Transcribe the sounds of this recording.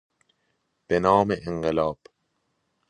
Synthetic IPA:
b̥enɒːmeʔeŋɢelɒːb̥

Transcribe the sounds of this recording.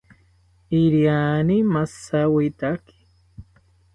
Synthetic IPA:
iɾjanimasawit̪aki̥

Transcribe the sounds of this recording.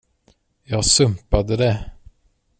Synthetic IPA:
jɑːɡsɵmpad̪əd̪ɛ

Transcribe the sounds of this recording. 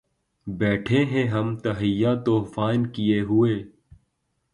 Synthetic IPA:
bɛːʈʰẽɦɛ̃ɦɐmt̪ɐɦɪjːaːt̪oːfaːɪnkijeɦʊeː

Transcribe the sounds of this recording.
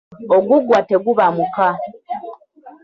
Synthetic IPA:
oɡuɡwateɡuβamuka

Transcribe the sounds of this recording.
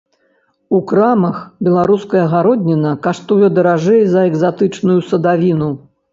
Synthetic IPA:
ukɾamɐxbʲɛlˠaɾuskɐjɐɣaɾɔd̪ʲnʲinɐkaʂt̪ujɛd̪ɐɾaʐɛjzɐɛɡzat̪ɨt͡ʂnujusɐd̪avʲinu

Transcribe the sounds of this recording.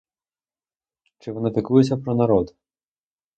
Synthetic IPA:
t͡ʃɪʋɔnɪp̪ɪkujʊt͡sʲːɐpɾɔnɐɾɔd̪ʊ

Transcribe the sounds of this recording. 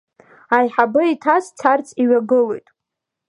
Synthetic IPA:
ajħabɨitʰast͡sʰart͡sʼiɥaɡɨlojtʼ

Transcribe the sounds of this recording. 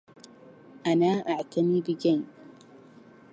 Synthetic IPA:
ʔanaːʔaʕt̪ʰamiːbɪɡajn

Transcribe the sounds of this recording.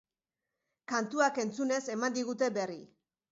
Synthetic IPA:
kant̪uake̞nt͡sune̞se̞mand̪iɣ̞ut̪e̞be̞ri

